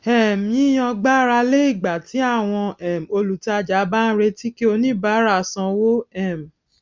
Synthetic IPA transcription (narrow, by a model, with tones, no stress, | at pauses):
ɛ˨m̩˨jĩ˦j̃ɔ̃˧ɡ͡ba˦ɾa˧le˦i˦˨ɡ͡ba˨ti˨˦a˦˨w̃ɔ̃˧ɛ˦˨m˨o˧lu˨ta˧d͡ʒa˨˦ba˦n̩˦ɾe˧ti˦ki˦o˧nĩ˦ba˦ɾa˧˨sã˧wo˦ɛ˦˨m̩˨